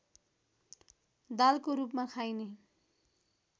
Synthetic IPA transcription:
d̪alkoɾupmakʰajne

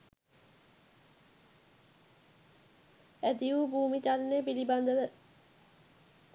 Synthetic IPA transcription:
æt̪iubʱuːmit͡ʃalneːpiliband̪əʋə

